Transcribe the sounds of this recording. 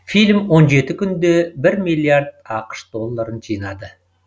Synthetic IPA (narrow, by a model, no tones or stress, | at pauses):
filʲmwo̞nʒe̞t̪ɪkʲʰʏnd̪e̞bɪɾmijlˠiaɾd̪̚ɑqə̥ʃd̪o̞lˠːaɾənʒijnɑd̪ə